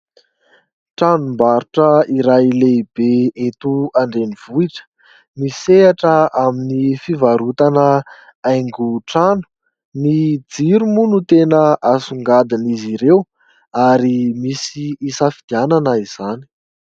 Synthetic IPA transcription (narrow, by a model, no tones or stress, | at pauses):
ʈ͡ʂanumbaɾuʈ͡ʂəiɾajleib̥eet̪uaɳɖ͡ʐeniv̥uiʈ͡ʂə̥ | miseaʈ͡ʂəaminifivaɾut̪anə | ajŋɡuʈ͡ʂanu̥ | nid͡ziɾumunut̪enəʔasuŋɡad̪aniziɾew | aɾimisiːsafid̪̥iananaiz̥ani̥